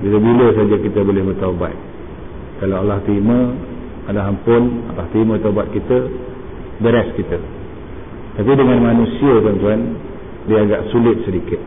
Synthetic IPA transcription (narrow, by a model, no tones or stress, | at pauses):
bidəbiləs̬ad͡ʒakit̪əbolɪhbərt̪aba̰t̪̚ | kalawalaht̪ɾimə̃ | alaɦampʊna̰laht̪ɾimə̃t̪abat̪̚kit̪ə | bəɾɛskit̪ə | t̪apidəŋãnmanũsiət̪ənt̪uan | diəaɡa̰ʔsulɪt̪̚sədikɪt̪̚